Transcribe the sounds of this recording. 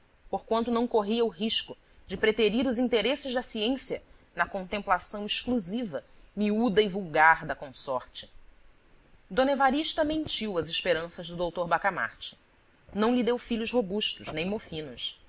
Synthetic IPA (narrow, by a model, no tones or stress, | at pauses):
poɾkwɐ̃nt̪ʊnɐ̃w̃koɦiɐʊɦiʃkʊ | d͡ʒɪpɾeteɾiɾʊzĩnt̪eɾesɪʒd̪ɐsiẽsiɐnɐkõnt̪ẽmplasɐ̃w̃ɪʃkluzivɐ | miud̪ɐivuwɡaɾd̪ɐkõsɔɾt͡ʃɪ̥ | d̪õnevaɾiʃt̪ɐmẽnt͡ʃiwɐzɪʃpeɾɐ̃sɐzd̪ʊd̪owt̪oɾbakama̰ɾt͡ʃɪ̥ | nɐ̃w̃lid̪ewfiʎʊʃɦobuʃt̪ʊʃnẽj̃mofĩnʊs